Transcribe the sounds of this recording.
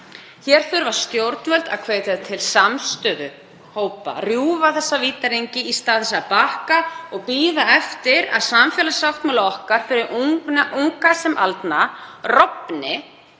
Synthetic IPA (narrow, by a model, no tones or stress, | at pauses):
çɛɾ̥θʏɾvaɾ̥st̪jowɾt̪̚nvɛlt̪a̰ðkʰveːjt̪aðt̪ʰɪlsamst̪œːðʏ | hoːwpa̰rjuːvaθɛsːaviːt̪aɾejɲcɪist̪aːðɛsːapaːhkaɔɣpiːðaɛft̪ɪɾa̰ðsamfjɛlasawht̪malaɔhkaɾ̥fɪɾɪɾʔuŋkasɛmʔa̰lt̪narɔpnɪ